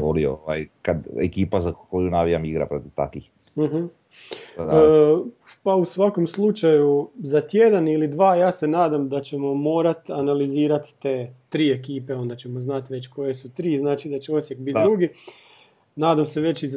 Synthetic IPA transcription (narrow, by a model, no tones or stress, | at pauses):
olio̰oajkad̪ḛkiːpazakojunaʋijamiɡɾa̰pɾot̪iʋt̪a̰kʋix | m̩ɦ̩ | pausʋako̞mslˠut͡ʃajuzat̪je̞d̪anilid̪ʋaːjaːse̞naːd̪amd̪at͡ɕe̞mo̞mo̞ːɾat̪analiziːɾat̪t̪eːt̪ɾiːe̞kiːpe̞o̞nd̪at͡ɕemo̞znat̪ʋe̞t͡ɕko̞je̞sut̪ɾiːznaːt͡ʃid̪at͡ɕeosje̞k̚bit̪d̪ɾuɡi | naːd̪amse̞ʋe̞t͡ɕiz